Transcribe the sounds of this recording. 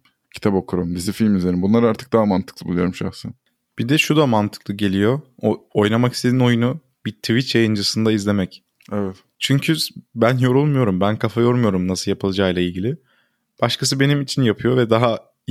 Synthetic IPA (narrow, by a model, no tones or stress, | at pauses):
cʰi̥t̪ʰapokʰuɾumd̪izifilʲmyzeɾinbunlˠaɾaɾt̪ʰɯ̥k̚d̪aɦamant̪ʰɯ̥klˠɯbulˠujo̞ɾumʃa̰xsɯ | b̥id̪ɛʃud̪amant̪ʰɯklˠɯɟe̞lʲijo̞o̞jnamaki̥st̪ʰe̞d̪ino̞junu | biɾt̪ʰvit͡ʃjajɯnd͡ʒɯsɯnd̪aizlʲe̞mɛc | ɛvɛt̪ | t͡ʃʰyɲcʰybænjo̞ɾulˠmujo̞ɾumbænkʰafajo̞ɾmujo̞ɾumnasɯlˠjapʰɯlˠad͡ʒaːjlˠailʲɟilʲɪ | b̥aʃkʰas̬ɯbe̞nimit͡ʃʰinjapʰɯjo̞vɛd̪aɦa